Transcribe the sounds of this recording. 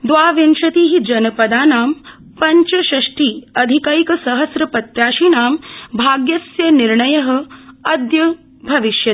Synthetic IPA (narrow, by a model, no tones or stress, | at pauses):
d̪ʋaːʋenʃɐt̪iːɦid͡ʒɐnɐpɐd̪aːnaːm | pɐɲt͡ʃɐʃɐʂʈiːɐd̪ʱikaːjikɐsɐɦɐsɾɐpɐt̪jaːʃinaːmbʱaːɡjɐsjɐniɾɳɐjɐɦɐ̆ɐd̪jɐ | bʱɐʋiʃjɐ